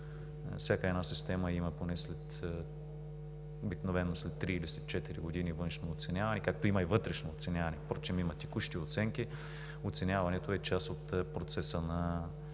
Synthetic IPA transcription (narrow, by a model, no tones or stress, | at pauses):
fsʲjakəɛd̪nasist̪ɛmɐimɐponɛslɛt̪ | obiknovɛnːoslɛt̪ːɾiilisɛt̪t͡ʃɛt̪iɾiɡod̪inivɤnʃnooːt̪sɛnʲjavɐnɛkak̚t̪oimɐivɤt̪ɾɛʃnoːt̪sɛnʲavɐnɛpɾot͡ʃimimɐt̪ʲɛkuʃt̪iot̪sɛŋk̟i | ot̪sɛnʲjavɐnɛt̪oɛt͡ʃasot̪pɾot̪sɛsənɐ